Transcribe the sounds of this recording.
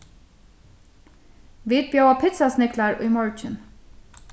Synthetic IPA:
ʋiːt̪̚bjɑʊɑːpʰɪt̪sɑsnɪkʰlɑɹʔiːmɔɹt͡ʃɪn

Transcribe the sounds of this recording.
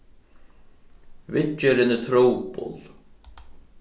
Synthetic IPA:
vɪt͡ʃːɛɾɪnɪt̪ʰɾoːwpʊ̰l

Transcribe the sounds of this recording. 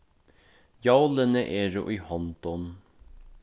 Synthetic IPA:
jɑʊlənəʔeːɾṵʔiːhɔnt̪ɔn

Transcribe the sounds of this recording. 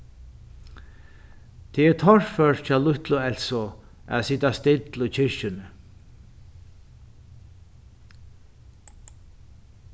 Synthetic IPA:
t̪ʰɛɛɾt̪ʰɔɹfœɹt͡ʃalʊht̪lʊɛlsɔ | æ̰ðsɪt̪ast̪ɪt̪lʊt͡ɕʰɪɹʃɪnə

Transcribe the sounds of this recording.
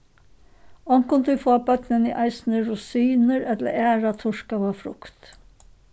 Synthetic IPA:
ɔŋkʊnt̪ʉfoːɑbœt̪nənḭːʔɑɪsn̩əɹʊsiːnəɾɛt̪lə̰æːɾɑt̪ʰʊʃkɑʋoːfɾʊ̰kt̪

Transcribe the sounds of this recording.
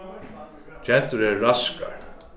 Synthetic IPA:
t͡ʃɛn̥t̪ʏɾɛɾraska̰ɾ̥

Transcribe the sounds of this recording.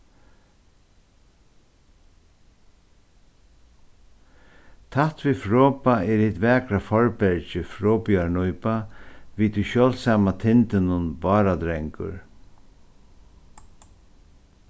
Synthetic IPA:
t̪ʰaht̪vifɾɔːpaɛɾɪt̪vɛːkɾafɔɹpɛɹt͡ʃɪfɾɔːpiaɹnɔjpaʋiːt̪ʰuɕœːlsaːmat̪ʰɪnt̪ɪnʊnbɑːɾad̪ɾɛŋkʊ̰ɹ

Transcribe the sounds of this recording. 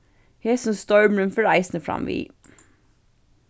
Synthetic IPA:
heːsɔnst̪ɔʏmɹʉmfəɹæɪsnəfɹɑ̰mʋḭː

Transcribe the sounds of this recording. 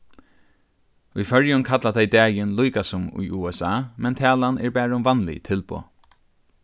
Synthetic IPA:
ujfœɹjʊnkʰat̪lat̪ʰɛjd̪ɛːjɪnlujkasʊmʊ̰juːɛsaːmɛnt̪ʰɛːlanɛɹbɛːɹʊmvanlɪ̰t̪ʰɪlpo̰ː

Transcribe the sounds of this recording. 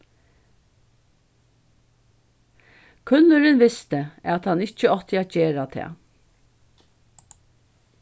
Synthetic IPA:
kʰʉnlʉɾɪnʋɪst̪əæt̪hɑnɪt͡ʃəɔt̪ɪæt̪̚t͡ɕeːɾat̪ʰɛ̰ː

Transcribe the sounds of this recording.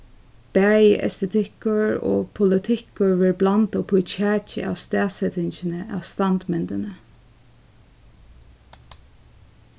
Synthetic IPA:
b̥æːjɛ̰st̪ɛt̪ʰɪkʊɹo̰ːpʰʊlɪt̪ʰɪkəɹʋeːɹblant̪oːpʰʊt͡ʃʰæːt͡ʃə̰a̰ːʋst̪æːsɛt̪ɪɲt͡ʃɪnəʔa̰ʋst̪ɑnd̪mɛnd̪ənə

